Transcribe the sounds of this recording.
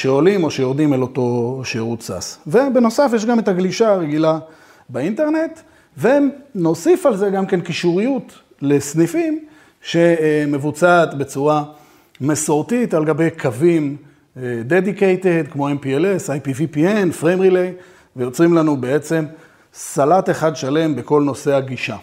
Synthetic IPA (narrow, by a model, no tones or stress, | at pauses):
ʃeo̞limo̞ʃejo̞ʁdimelo̞to̞ʃeʁutsa̰svebeno̞safjeʃ̬ɡame̞taɡliʃaːʁeɡila | beinte̞ʁne̞t̪ | veno̞sifalze̞ɡamke̞nkiʃuʁijut | le̞snifim | ʃe̞me̞vut͡saːt̪be̞t͡suʁa | mesoʁtitalɡabe̞jkʰavim | d̪edikejted̪kmo̞empielesajpivipienfʁemʁilej | vejo̞t͡sʁimlanubeet͡se̞m | salate̞χadʃale̞mbeko̞lno̞se̞aɡiʃa